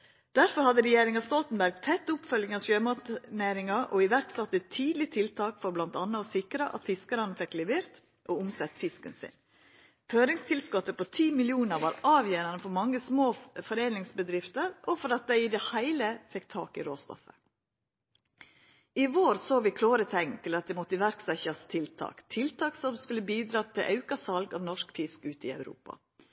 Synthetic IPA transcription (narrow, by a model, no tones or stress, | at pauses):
d̪̥æɾfɔɾhɑd̪əɾɛjeːɾɪŋɑst̪ɔlt̪n̩bæɾɡ̚t̪ʰɛt̪ːʊpfœljɪŋɑʃøːmɑt̪neːɾɪŋɑʔɔɪʋæɾksɑt̪ːət̪ʰiːd̪lɪt̪ʰɪlt̪ʰɑːkfɔɾblɑnt̪ɑnːəɔsɪkɾəʔɑ̰t̪fɪskəɾənəfɛkːlɛʋɪːɾt̪ | ʔɔʊmsɛt̪ːfɪskənsɪ̰n | føːɾɪŋst̪ʰɪlskɔt̪ːəpɔt̪ʰiːmɪlɪuːnəɾʋɑːɾɑːʋjeːɾənəfɔɾmɑŋːəsmoːfɔɾeːnɪŋsbəd̪ɾɪft̪əɾʔɔfɔɾɑt̪̚d̪æɪɪd̪ɛhæɪləfɛkt̪ʰɑːkɪ̰ɾoːst̪ɔ̰fə | ɪʋoːɾsoːʋɪkʰloːɾət̪ʰɛŋt̪ʰɪlɑt̪̚d̪ɛmɔt̪əʋæɾksɛçɑst̪ʰɪlt̪ʰɑ̰ːkt̪ʰɪlt̪ʰɑːksɔmskʉlːəbiːd̪ɾɑːt̪ʰɪlʔɑʉkɑsɑlɡɑ̰ːʋnɔʂkfɪskʉːt̪ɪ̰ɑ̰ʉɾṵːpɑ̰